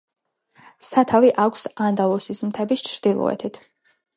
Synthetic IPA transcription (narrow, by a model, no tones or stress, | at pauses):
sat̪ʰaviʔakʷʰsand̪alˠɔsismt̪ʰɛbist͡ʃʰɾd̪̥ilˠɔ̰ɛ̰t̪ʰit̪ʰ